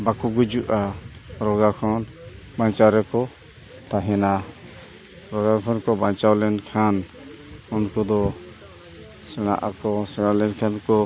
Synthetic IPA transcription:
bakuɡud͡ʒuʔaɾɔɡakʰɔn | baɲt͡ʃaɾɛkɔ | t̪aɦɛna | ɾɔɡakʰɔnkɔbant͡ʃawlɛnkʰan | ɔnkɔd̪ɔ | sɛɽ̃a̰ʔakɔsɛɽ̃alɛnkʰankɔ

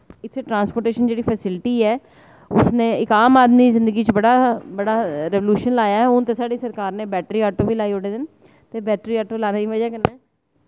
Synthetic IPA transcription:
ɪt̪ʰːeːʈɾãːnspoːɾʈeːʃənd͡ʒeːɽiːpʰɛsɪlʈiːɛː | ʊsnẽːɪkaːmaːd̪mizɪ̃nd̪əɡiːt͡ʃbəɽaːbəɽaːɾɛʋoljuːʃənlaːjaːɛʊnt̪eːsaːɖiːsəɾkaːɾneːbɛːʈɾiːaːʈoːʋiːlaːiːoɽeːd̪ɪn | t̪eːbɛːʈɾiːaːʈoːlaːneːd̪iːʋəd͡ʒaːkənɛː

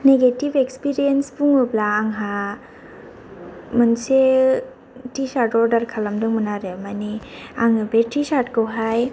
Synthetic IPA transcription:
neɡetibekspiɾijenspuŋɯblaːŋɦa | mɯnse | tisaɾtɔɾdaɾkʰalamdɯŋmɯnaɾemaniaŋɯbetisaɾtkɯwɦaj

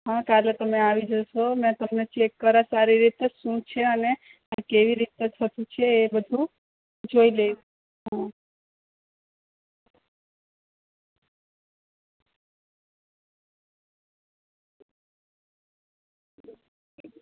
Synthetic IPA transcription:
ɦãkalet̪əmeaʋid͡ʒoʃomɛ̃t̪əmnet͡ʃʰekːəɾasaɾiɾit̪eʃũt͡ʃʰeəne | akeʋiɾit̪et̪ʰət̪ũt͡ʃʰeːbəd̪ʱũ | d͡ʒoile | ɦã

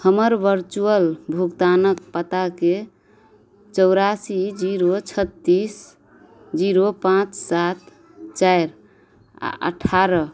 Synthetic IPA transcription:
həməɾʋəɾt͡ʃuəlbʱuɡt̪anək̚pət̪ake | t͡ʃəʊɾasid͡ʒiɾot͡ʃʰət̪ːis | d͡ʒiɾopãt͡ʃsat̪ | t͡ʃaɾ | a̰ʔə̰ʈʰaɾə

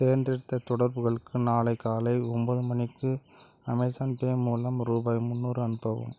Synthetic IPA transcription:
t̪eːɾndrɪɾt̪ːɐt̪ɔɽɐɾbɯɣɐɭɯkːɯnaːlɐɪkːaːlɐɪɔmbɐðɯmɐnɪkːɯ | ɐmɐɪsaːnpeːmuːlɐmɾuːbaːjmʊnːuːɾɯɐnɯpɐʋɯ̰m

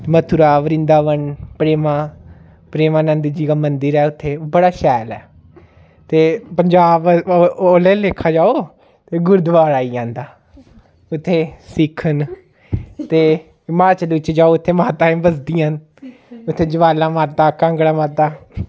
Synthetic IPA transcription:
mət̪ʰʊɾaːʋəɾɪ̃nd̪aːʋəɳpɾeːmãː | pɾeːmãːnənd̪id͡ʒiːkaːmənd̪əɾɛːʊt̪ʰːeːbəɽaːʃɛːlɛ̰ː | t̪eːpəɲd͡ʒaːboːleːleːkʰːaːd͡ʒaːoː | t̪eːɡʊɾd̪ʋaːɾaːiːãːnd̪aː | ʊt̪ʰːeːsɪkʰːən | t̪eː | ɪmaːɾt͡ʃəlʋɪt͡ʃːd͡ʒaːoːʊt̪ʰːeːmaːt̪ãːẽːbəsd̪ijãː | ʊt̪ʰːeːd͡ʒəʋaːlãːmaːɾt̪aːkãːŋɡɽãːmaːt̪aː

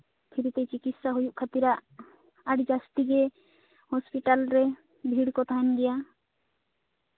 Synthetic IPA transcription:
pʰiɾit̪et͡ʃikit̪saɦujuʔkʰat̪iɾaʔ | aɖd͡ʒast̪iɡɛ | hɔspiʈalɾɛ | bʱiɽkɔt̪ʰaɛnɡɛja

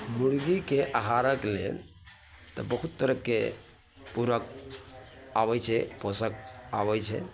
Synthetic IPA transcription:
muɽɡikeʔaɦaɾəklḛ | t̪ɔbəɦut̪ːəɾəkːe | puɾək̚ | abɛt͡ʃʰɛposək̚abɛjt͡ʃʰɛ̰

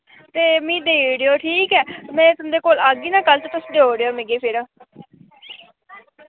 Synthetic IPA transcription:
t̪eːmĩːd̪eːɽeoːʈʰiːkɛːmɛ̃ːt̪ʊ̃d̪eːkoːlaːɡiːnãːkəlt̪eːt̪ʊsɖeoːɽeːoːmẽɡeːpʰɪɾãː

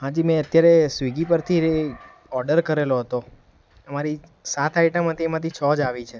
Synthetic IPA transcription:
ɦãd͡ʒimẽət̪jaɾesʋiɡipəɾt̪ʰie | ɔɾɖəɾkəɾeloɦət̪o | əmaɾisat̪aiʈəmɦət̪ʰimãt̪ʰit͡ʃʰɔd͡ʒaʋit͡ʃʰe

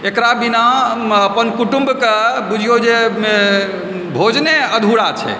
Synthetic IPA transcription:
ekɾabinaəpənkuʈumbkebud͡ʒʱijod͡ʒeme | bʱod͡ʒneəd̪ʱuɽat͡ʃʰɛ̰

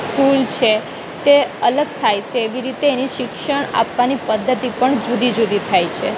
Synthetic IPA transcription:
skult͡ʃʰe | t̪eələɡ̚t̪ʰajt͡ʃʰeːʋiɾit̪eːniʃɪkʃəɳ̃a̰pʋanipəd̪ʱːət̪ipəɳd͡ʒud̪id͡ʒud̪it̪ʰajt͡ʃʰe

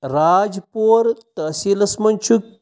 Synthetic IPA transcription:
ɾaːd͡ʒpoːɾt̪ɐsilɐsmɐnʲt͡ʃʰuk̚

